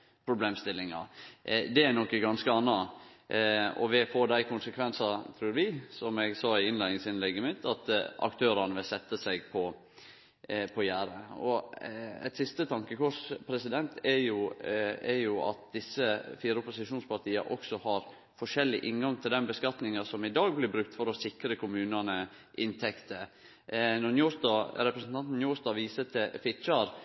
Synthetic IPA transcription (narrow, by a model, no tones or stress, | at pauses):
pʰɾʊbleːmst̪ɪlːɪŋɑ̰d̪ɛænɔkːəɡɑnskəɑnːɑ | ɔ̰ʋɪfoːd̪æɪkʰʊnsəkʰʋɛnsɑt̪ʰɾuːɾʋɪsɔmɛɡsɑːɪɪnlæɪnɪŋsɪnlɛɡːəmɪt̪ʰːɑt̪ɑ̰kt̪ʰøːɾɑnəʋɪlsɛt̪ːəsæɡpʰɔ | pʰɔjæːɾəɔ | ɛ̰t̪sɪst̪ət̪ʰɑŋkəkʰɔʂpʰɾɛsɪd̪ɛnt̪ʰɛɾjʊɛɾjʊɑ̰t̪̚d̪ɪsːəfiːɾəɔpʊsɪʂuːnspʰɑɾt̪ʰiːɑ̰ʔɔksɔhɑɾ | fɔʂɛlːɪʔɪnɡɑŋt̪ʰɪld̪ɛnbəskɑt̪nɪŋɑsɔmɪd̪ɑːɡ̚blɪɾbɾʉk̚t̪fɔɾɔsɪkɾəkʰʊmʉːnɑnə | ʔɪnt̪ʰɛkt̪ə | nɔɾnjuːsd̪ɑɾɛpɾəsn̩t̪ʰɑnt̪n̩juːsd̪ɑːʋiːsət̪ʰɪfɪt͡ʃɑɾ